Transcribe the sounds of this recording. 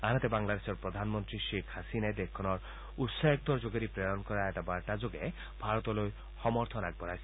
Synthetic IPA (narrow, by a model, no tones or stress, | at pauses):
anat̪ebaŋlad̪esɔɾpɾɔd̪ʱanmɔnt̪ɾiʃekʰhasinaed̪ekʰːɔnɔɾ | ut̪saek̚d̪ɔɾd͡ʒoɡeɾipɾeɾɔnɔkɔɾaeʈabaɭʈad͡ʒoɡe | bʱaɾɔt̪ɔloj | hɔmɔɾt̪ʰɔnaɡ̚bɔɾajsi